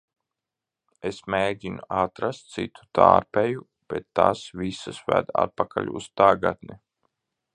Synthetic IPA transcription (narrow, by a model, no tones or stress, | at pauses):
esmeːɡʲinuat̪ɾast̪̚t̪sit̪ʰu̥t̪aːɾpɛju | b̥ɛt̪ːasvisasvæd̪a̰t̪̚pakʰaʎʲust̪aɡat̪ni